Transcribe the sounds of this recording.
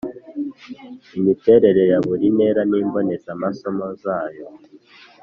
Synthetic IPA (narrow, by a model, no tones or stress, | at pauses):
imite̞ɾe̞ɾe̞jaβuɾine̞ːɾaniːmbo̞ne̞zamaso̞mo̞zaːjo̞